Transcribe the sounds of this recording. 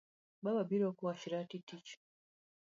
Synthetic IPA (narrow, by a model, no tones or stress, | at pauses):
baβabiɾokuwaʃiɾatitit͡ʃ